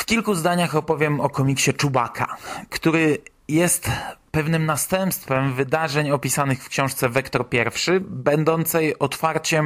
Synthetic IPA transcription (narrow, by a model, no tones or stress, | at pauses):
fkʲilkuzd̪aɲaxɔpɔvʲjɛmɔkɔmʲikɕɛt͡ʂubakʰa̰kt̪uɾɘ | jɛst̪pɛvnɘmnast̪ɛmpst̪fɛmvɘd̪aʐɛɲɔpʲisanɘxfkɕɔ̃w̃ʂt̪sɛvɛkt̪ɔɾpʲjɛɾfʂɘbɛnd̪ɔnt̪sɛjɔt̪faɾt͡ɕɛm